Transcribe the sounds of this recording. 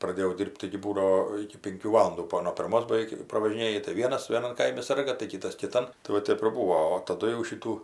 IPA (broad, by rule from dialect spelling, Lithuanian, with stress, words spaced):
prɐˈdʲeːjɛʊ ˈdʲiːrʲpʲtʲ tɐɪɡʲɪ ˈbuːdɐoː ɪkʲɪ ˈpʲɪŋʲkʲuː ˈʋɑːlˠʊnduː ˈbuɔ nuɔ pʲɪrˈmoːs bɐˈʋʲɛɪk prɐʋɐʒʲɪˈnʲeːjɪ tɐɪ ˈʋʲiɛnɐs ʋʲeːˈnɐn ˈkɐɪmʲɪ ˈsɐrɡɐ tɐɪ ˈkʲɪtɐs kʲɪˈtɐn tɐɪ ˈʋɐ ˈtʲɛp ɪr ˈbuːoː oː tɐˈdʊ jɛʊ ˈʃʲɪtuː